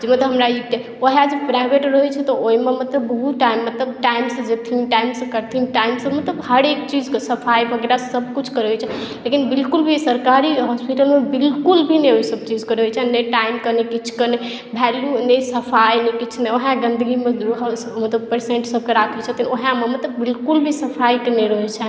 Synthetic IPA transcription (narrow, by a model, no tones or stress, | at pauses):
d͡ʒemət̪ləbɦəmɾai | oɦad͡ʒepɾajbeʈɾəɦɛt͡ʃʰɛt̪ɔoimemət̪ləbːəɦut̪ʈajmːət̪ləbʈajmsə̃d͡ʒet̪ʰiʈajmsə̃kəɾt̪ʰiʈajmsəmət̪ləbhəɾekt͡ʃid͡ʒkesəpʰajbʱəɡeɾasəb̚ʱkut͡ʃʰkəɾɦɛt͡ʃʰɛlekinbilkulbʱisəɾkaɾiɦɔspiʈəlmebilkulbʱineoisəb̚t͡ʃid͡ʒkəɾəɦet͡ʃʰɛneʈaimkənekit͡ʃʰkəne | bʱɛljunesəpʰajnekit͡ʃʰneoɦãɡənd̪əɡimed̪ɾɦ | mət̪ləb̚pəɾsẽɳʈsəb̚ʱkeɾakʰet͡ʃʰɛt̪ʰinoɦãmemət̪ləbːilkulbʱisəpʰajkeneɾəɦɛt͡ʃʰɛ